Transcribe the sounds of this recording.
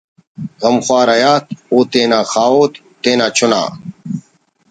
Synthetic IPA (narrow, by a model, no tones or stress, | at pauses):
ɣɐmxwaːɾɐjaːt̪oːt̪eːnaːxʰaːoːt̪ːeːnãːt͡ɕʰʊna̰ː